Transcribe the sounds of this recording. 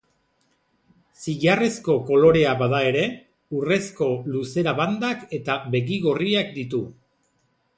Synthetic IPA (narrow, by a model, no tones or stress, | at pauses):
siʝare̞sko̞ko̞lo̞ɾe̞aβaðae̞ɾe̞ | ure̞sko̞luse̞ɾaβand̪ake̞t̪aβe̞ɣiɣo̞riakd̪it̪u